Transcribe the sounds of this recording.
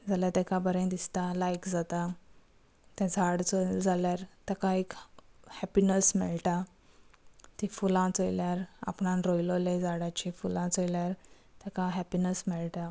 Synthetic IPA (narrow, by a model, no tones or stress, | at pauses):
d͡zaljat̪ɛ̃kãbəɾẽd̪ist̪alajkd͡zat̪a | t̪jãd͡zʱaɽt͡sod͡zaljaɾt̪ɛkãekhɛpinəsmɛɭʈa | t̪ĩfulãt͡sojljaɾa̰pɳãnɾojloled͡zaɽat͡ɕifulãt͡sojljaɾ | t̪ɛkãɦɛpinəsmɛɭʈa